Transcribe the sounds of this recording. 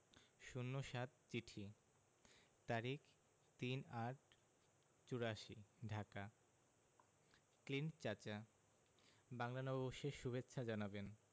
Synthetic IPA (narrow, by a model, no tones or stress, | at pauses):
ʃunːoʃat̪̚t͡ɕiʈʰi | t̪aɾik | t̪inaʈ̚ | t͡ɕuɾaʃiɖʱaka | klint͡ɕat͡ɕa | baŋlanɔboʃeʃubetːɕʰad͡ʑanaben